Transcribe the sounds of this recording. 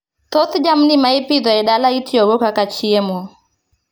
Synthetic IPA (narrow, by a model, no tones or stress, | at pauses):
t̪ɔθd͡ʒam̩nimaipid̪ɔɛɗalaitiɔɡɔkakat͡ʃiɛmɔ